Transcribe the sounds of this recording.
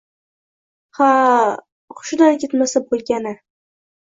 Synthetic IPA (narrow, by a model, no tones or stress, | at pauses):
ha | χʊ̥ʃʊd̪ankʰʲet̪masabolˠɡʲanɪ